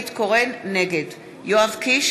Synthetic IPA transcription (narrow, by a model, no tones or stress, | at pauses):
it̪koʁenːeɡed̪ | joavkiʃ